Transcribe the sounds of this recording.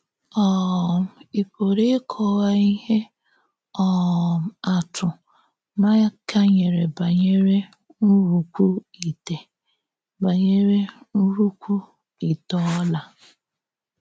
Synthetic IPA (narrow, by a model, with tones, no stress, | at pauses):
ɔ˦˨m̩˨i˨po˨ɾe˦kʰɔ˦ɣa˦i˦ɦe˦ | ɔ˦˨ | a˨tʊ˨ | ma˦ka˦ɲe˨ɾe˨ba˨ɲe˦ɾe˦ | n̩˦ɾu˨kʷu˦i˨te˨ | ba˨ɲe˦ɾe˦nu˦ɾu˦kʷu˦ | i˨tɔ˦la˨